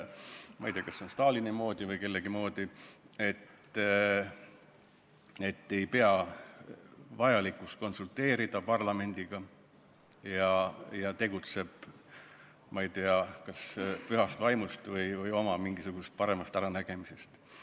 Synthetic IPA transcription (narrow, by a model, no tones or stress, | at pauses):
mʔɑ̰ijt̪eɑkɑsːo̞nst̪ɑːlinemo̞ːd̪̥ivɤjke̞lːe̞ɡ̥imo̞ːd̪̥ie̞t̪ː | e̞t̪ːe̞jpe̞ɑ | vɑjɑlikːˑust̪̚ko̞nsult̪e̞ːɾid̪̥ɑpɑrlɑme̞nʲd̪̥iɡ̥ɑ | jɑjɑt̪e̞ɡut̪se̞b̥ | mɑijt̪eɑkɑspyɦɑst̪vɑjmust̪vɤjvɤjo̞mɑmiŋɡ̥isuɡ̥usest̪̚pɑɾe̞mɑst̪æɾɑnæɡ̥e̞mise̞st̪